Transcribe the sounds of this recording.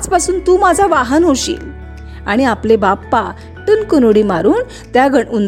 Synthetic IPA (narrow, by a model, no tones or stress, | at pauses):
d͡zpasuːnt̪uːmad͡zʱaʋaɦənɦoɕḭːl | aɽ̃iaplebapːa | ʈənkənoɽimaɾuːn | t̪jaɡʱəɳun